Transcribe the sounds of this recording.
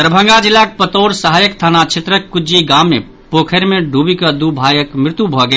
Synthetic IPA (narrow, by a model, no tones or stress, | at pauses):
əɾbʱə̃ŋɡad͡ʒilːak̚pət̪oːɾsəɦajəkt̪ʰanat͡ʃʰet̪ɾəkːud͡ʒiɡamːe | pokʰəɾmeɖʱubikəd̪ubʱajəkmɾɪt̪jubʱɔɡe